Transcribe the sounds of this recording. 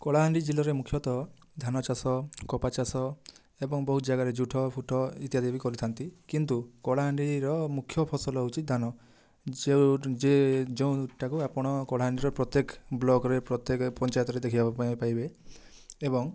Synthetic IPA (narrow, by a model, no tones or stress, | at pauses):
kɔɭaɦaɳɖid͡ʒilɔɾemukʰjɔt̪ɔ | d̪ʱanɔt͡ʃasɔkɔpat͡ʃasɔ | ebɔŋbɔɦut̪ɔd͡ʒaɡaɾed͡ʒuʈʰɔpʰuʈʰɔit̪ijad̪ebikɔɾit̪ʰant̪ikint̪ukɔɭaɦaɳɖiɾɔmukʰjɔpʰɔsɔlɔut͡ʃʰit̪̚d̪ʱanɔ | d͡ʒed͡ʒeũuʈʰːakuapɔɽ̃ɔkɔɭaɦaɳɖiɾɔpɾɔt̪jekblɔɡɔɾepɾɔt̪ekpɔnt͡ʃajɔt̪ɔɾed̪ekʰibapãpajbeː | bɔŋ